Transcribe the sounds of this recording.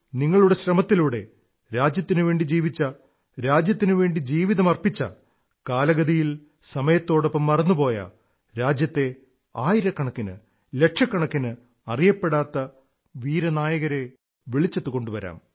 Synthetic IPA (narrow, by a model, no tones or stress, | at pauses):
niŋːɐɭuɽe̞ɕɾɐmɐt̪ːiluːɽe̞̰ | ɾaːd͡ʑjɐt̪ːinɨʋe̞ːɳɖid͡ʑiːʋit͡ɕːɐ | ɾaːd͡ʑjɐt̪ːinɨʋe̞ːɳɖid͡ʑiːʋiðɐmɐrpit͡ɕːɐ̰ | kaːlɐɣɐðijil | sɐmɐjɐt̪ːo̞ːɽopːɐmːɐrɐnːupo̞ːjɐ̰ | ɾaːd͡ʑjɐt̪ːe̞ | aːjiɾɐkːɐɳɐkːinɨ̰ | le̞ʈʂɐkːɐɳɐkːinɨ | ɐrijɐpːe̞ɽaːt̪ːɐ | ʋiːɾɐnaːjɐɣɐɾe̞ | ʋeɭit͡ɕːɐt̪ːuko̞ɳɖuʋɐɾa̰ːm